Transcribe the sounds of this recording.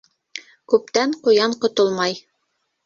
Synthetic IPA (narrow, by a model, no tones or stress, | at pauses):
kʉp̚t̪æɴqŏjɑɴqŏt̪olˠmɑj